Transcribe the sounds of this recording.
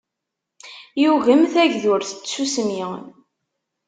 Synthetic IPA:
juʝəmθæʝðʊɾθə̥t͡sːusəmjiʁ̰n

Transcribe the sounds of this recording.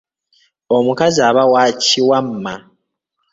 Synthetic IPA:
o̞mukaziaβawaːciwamːa

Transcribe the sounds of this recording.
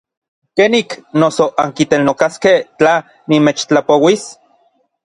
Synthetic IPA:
keːniknosoʔaŋkit̪elnokaskeht͡ɬa | nimet͡ʃt͡ɬapowis

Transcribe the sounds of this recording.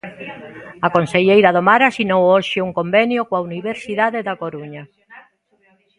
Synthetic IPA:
akonseʎejɾaðomaɾasinowoʃeuŋkombenjokwauniβeɾsiðaðeðakoɾuɲa

